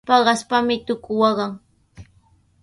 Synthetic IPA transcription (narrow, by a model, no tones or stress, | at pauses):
pɑɢɑspamɪt̪ʊkʊwɑɢɑŋ